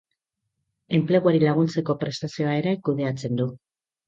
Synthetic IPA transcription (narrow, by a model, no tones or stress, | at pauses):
e̞mple̞ɣ̞uaɾilaɣ̞unt͡se̞ko̞pɾe̞st̪asio̞ae̞ɾekuðe̞at͡se̞nd̪u